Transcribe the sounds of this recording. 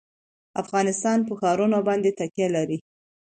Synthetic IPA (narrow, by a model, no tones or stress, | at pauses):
afɣɑnɪst̪ɑnpəxɑɾunobɑnd̪et̪akjalaɾi